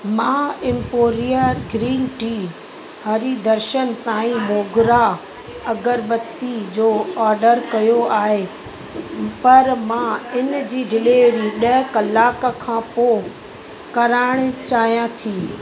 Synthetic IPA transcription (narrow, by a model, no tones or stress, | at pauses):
mãːɪ̃mpoːɾijəɾɡɾiːnʈiː | haːɾid̪ɐɾʃənsãːĩmoːɡɪɾa | ɐɡəɾbɐt̪id͡ʑoːɔːɾɖəɾkɐjoaːɦe | pɐɾmãɪnd͡ʑiːɖɪleːɾiɗɐɦkɐlaːkəkʰãːpo | kɐɾaːɽ̃t͡ɕaːɦijãt̪ʰiː